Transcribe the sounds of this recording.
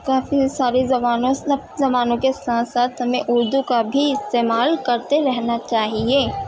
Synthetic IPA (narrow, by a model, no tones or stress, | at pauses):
kaːfisaːɾizɐbaːnõsɐb̚zɐmaːnõkesãːt̪saːt̪ɦɐmẽʔʊɾd̪ukabʱiɪst̪eːmaːlkɐɾt̪eɾɛɦnat͡ʃaːɦieː